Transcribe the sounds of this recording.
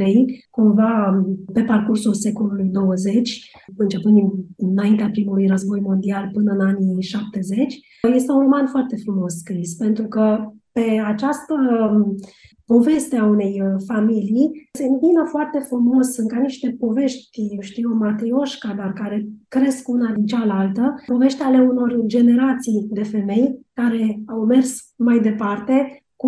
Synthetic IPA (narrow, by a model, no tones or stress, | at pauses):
ɾejkumvape̞parkursulse̞ko̞lulujd̪o̞wəze̞t͡ʃʲɨnt͡ʃe̞pɨnd̪innaint̪eapɾimulujrəzbo̞jmo̞nd̪ialpɨnəɨnaniʃap̚t̪e̞ze̞t͡ʃʲ | je̞st̪e̞unro̞manfoart̪e̞fɾumo̞sskɾispe̞nt̪ɾukəpe̞at͡ʃast̪ə | po̞ve̞st̪eaune̞jfamilijse̞ɨnt̪inəfoart̪e̞fɾumo̞sɨŋkaniʃt̪e̞po̞ve̞ʃt̪ʲjewʃt̪ijomat̪ɾio̞ʃkad̪arkaɾe̞kɾe̞skunad̪int͡ʃalalt̪əpo̞ve̞ʃt̪eale̞uno̞rd͡ʒe̞ne̞ɾat̪sijd̪e̞fe̞me̞jkaɾe̞awme̞rs | majd̪e̞part̪e̞ | ku